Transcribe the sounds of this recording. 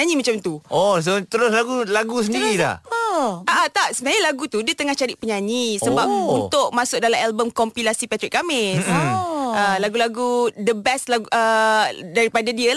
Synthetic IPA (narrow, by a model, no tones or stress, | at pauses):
aɲimat͡ʃamt̪uʔos̬ot̪əɾʊslaɡulaɡus̬əndiila̰h | at̪aʔ̚sənaɲalaɡut̪udiət̪əŋaht͡ʃaɾiʔpəɲaɲisəbapunʊʔ̚masʊk̚dalamɛlbəmkɔmpilasipat̪ɾikamɪs | əlaɡulaɡudəbɛstlaɡədaɾipadadiala